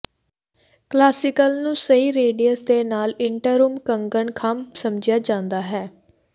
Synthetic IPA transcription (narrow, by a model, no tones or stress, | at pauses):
klaːsɪkəlnũːsəiːɾeːɖijəsd̪eːnaːlɪɳʈəɾuːmkəŋɡəɳkʰamsəmd͡ʒɪjaːd͡ʒãːnd̪aːɦɛː